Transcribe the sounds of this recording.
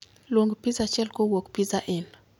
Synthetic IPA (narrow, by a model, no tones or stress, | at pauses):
lwoŋɡpizat͡ʃɛlkowokpizaʔɪn